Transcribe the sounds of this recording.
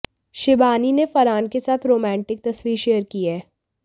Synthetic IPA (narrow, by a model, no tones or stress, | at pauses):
ʃɪbaːninefɐɾaːnkesaːt̪ʰɾoːmɛ̃ːɳʈɪk̚t̪ɐswiːɾʃeːəɾkiɦɛː